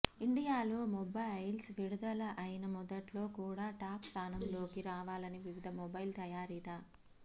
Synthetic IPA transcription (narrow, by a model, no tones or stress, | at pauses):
iɳɖijaːloːmɔbɐjlsʋiɽud̪ɐlɐʔɐjinɐmɔd̪ɐʈlo̞ːkuːɽaːʈaːpst̪ʰaːnɐmlo̞ːkiɾaːʋaːlɐniʋiʋid̪ʱɐmɔbɐjlt̪ɐjaːɾid̪aː